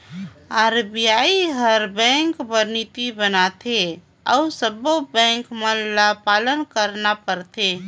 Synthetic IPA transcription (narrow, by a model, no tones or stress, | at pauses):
aɾbijaiɦəɾbɛ̃ŋkbəɾnit̪ibənat̪ʰe | a̰usəbobɛ̃ŋkməlapalənkəɾnapəɾt̪ʰe